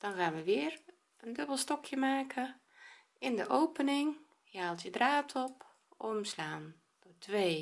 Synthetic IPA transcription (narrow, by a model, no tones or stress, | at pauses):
d̥ɔnxaːnʋəʋɪər | əndøbəlˠstɔkʰjəmaːkʰə | ɪndəʔowpənɪŋ | jəhaːlˠtjədraːtʰɔp | ɔmslaːn | d̥otʰʋeː